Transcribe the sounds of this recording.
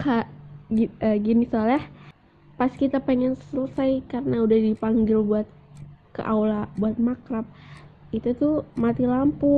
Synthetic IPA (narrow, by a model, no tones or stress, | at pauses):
kʰaɡiəɡinisalɛh | paskit̪apeŋɛnsələsajkaɾənaudahdipaŋɡɪlbuat̪̚kə̰ʔa̰wlabuat̪̚makɾap̚it̪ut̪umat̪ilampu